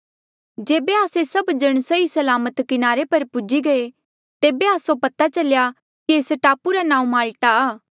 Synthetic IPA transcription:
d͡ʒeːbeaːsesɐbd͡ʒɐɽ̃sɐisɐlaːmət̪kɪnaːɾepɐɾpʊd͡ʒiɡɐe | t̪eːbeaːsopɐt̪at͡ʃɐlja | kisʈaːpuɾanãːũmaːlʈaː

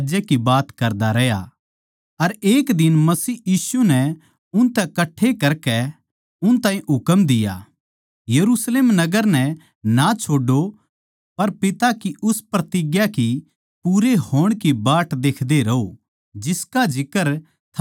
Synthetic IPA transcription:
d͡ʒekibaːt̪kɐɾd̪aɾɐja̰ | ɐɾeːkd̪ɪnmɐsiːjiːsunɛ | ʊnt̪ɛkɐʈʰːekɐɾkɛ | ʊnt̪ãːĩʔɦʊkəmd̪ɪja̰ː | jɐɾusleːmnɐɡəɾnɛ | nat͡ʃʰoːɖo | pɐɾpɪt̪akiʔʊspɾɐt̪ɪɡjaki | puɾeɦoːɽ̃kibaːʈd̪eːkʰd̪eɾɐo | d͡ʒɪskad͡ʒɪkəɾ | t̪ʰ

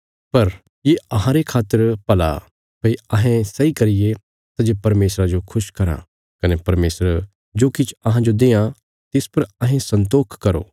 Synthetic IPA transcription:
pɐɾ | jeɐɦãɾekʰaːt̪ːəɾpɐla̰ | pɐiɐɦẽsɐikɐɾɪje | t̪ad͡ʒepɐɾmeːsɾad͡ʒokʰʊʃkɐɾã̰ | kɐnepɐɾmeːsɾ | d͡ʒoːkɪt͡ʃʰɐɦãd͡ʒod̪eːã | t̪ɪspɐɾɐɦẽsɐ̃nt̪̬oːkʰkɐɾo̰ː

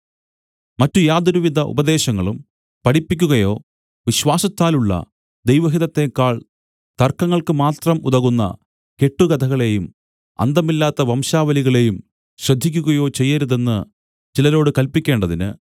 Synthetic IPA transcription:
mɐtːujaːd̪ɐɾuʋid̪ʱɐʔṵbɐd̪e̞ːɕɐŋːɐɭum | pɐɽipːikʲːuɣɐjo̞ː | ʋiɕʋaːsɐt̪ːaːluɭːɐ̰ | d̪ejʋɐɦiðɐt̪ːeːkːaːɭ | t̪ɐrkːɐŋːɐɭkɨmaːt̪rɐmuðɐɣunːɐ̰ | ke̞ʈːuɡɐd̪ʰʱɐɣɐɭe̞jum | ɐ̰nd̪ɐmilːaːt̪ːɐʋɐmɕaːʋɐliɣɐɭe̞jum | ɕrɐd̪ʱːik̬ʲːuɣɐjo̞ːt͡ɕe̞jːɐɾuðe̞nːɨ | t͡ɕilɐɾo̞ːɽɨkɐlpikʲːe̞ːɳɖɐðinɨ̰

